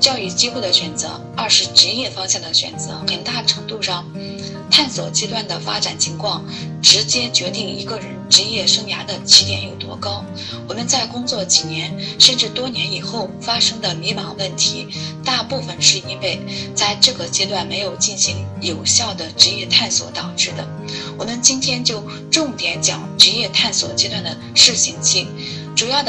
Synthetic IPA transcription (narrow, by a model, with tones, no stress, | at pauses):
t͡ɕjɑ˥˧ʊy˥˩t͡ɕi˥xwd̪ə˩ɕɥɛ˨˩nt͡sɤ̰˧˥ | ɐ˞˥˧ʂɻ̩˥˩ʈ͡ʂɻ̩˧˥jɛ˥˩fɑ˥ŋɕjɑ˥˩d̪ə˩ɕɥɛ̰˨˩nt͡sɤ̰˧˥xə˨˩nt̪a˥˩ʈ͡ʂʰɤ˧˥ŋt̪u˥˧ʂɑ˥˩ŋ | t̪ʰa˥˩nswɔ̰˨˩t͡ɕjɛ˥t̪wa˥˩nd̪ə˩fa̰˥ʈ͡ʂa˨˩nt͡ɕʰi˧˥ŋkʰwɑ˥˩ŋ | ʈ͡ʂɻ̩˧˥t͡ɕjɛ˥t͡ɕɥɛ˧˥t̪i˥˩ŋḭ˧˥ɡə˧ɻə˧˥nʈ͡ʂɻ̩˧˥jɛ˥˩ʂɤ˥ŋja̰˧˥d̪ə˧t͡ɕʰi˨˩njɛ˧˥njo˨˩ʊt̪wɔ̰˧˥kɑ˥ʊ | wɔ˨˩mə˧˦nt͡sa˥˩ɪkʊ˥ŋt͡swɔ˥˩t͡ɕi˨˩njɛ˧˥nʂə˥˧nʈ͡ʂɻ̩˥˩t̪wɔ˥njɛ˧˥ni˨˩xo˥˩ʊfa˥ʂɤ˥ŋd̪ə˨mi˧˥mɑ˧˥ŋwə˥˩nt̪ʰi˧˥t̪a˥˧pu˥˩fə˩nʂɻ̩˥˩i˧˥pe˥˩ɪt͡sa˥˧ɪʈ͡ʂɤ˥˩ɡə˩t͡ɕjɛ˥t̪wa˥˩nme˧˥ɪjo˨˩ʊt͡ɕi˥˩nɕi˧˥ŋjo˨˩ʊɕjɑ˥˩ʊd̪ə˩ʈ͡ʂɻ̩˧˥jɛ˥˧t̪ʰa˥˩nswɔ̰˧˥t̪ɑ˨˩ʊʈ͡ʂɻ̩˥˩d̪ə̰˩ | wɔ˨˩mə˧˦nt͡ɕi˥nt̪ʰjɛ˥nt͡ɕjo˥˧ʊ | ʈ͡ʂʊ˥˩ŋt̪jɛ˧˥nt͡ɕjɑ̰˨˩ŋʈ͡ʂɻ̩˧˥jɛ˥˧t̪ʰa˥˩nswɔ˨˩t͡ɕjɛ˥t̪wa˥˩nd̪ə˩ʂɻ̩˥˩ɕi˧˥ŋt͡ɕʰi˥˩ | ʈ͡ʂu˨˩jɑ˥˩ʊd̪ə˩